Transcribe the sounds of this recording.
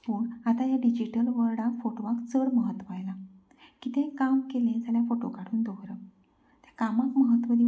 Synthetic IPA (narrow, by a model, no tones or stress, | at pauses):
puːɳat̪ajaɖid͡ʑiʈəlʋəɾɽãkfoʈoʋakt͡səɽməɦət̪ːʋajla | kit̪ʰẽkamkelẽd͡zaɳjafoʈo̰kaɽuːnd̪oɡɾə | t̪jḁkamakməɦət̪ːʋəd̪i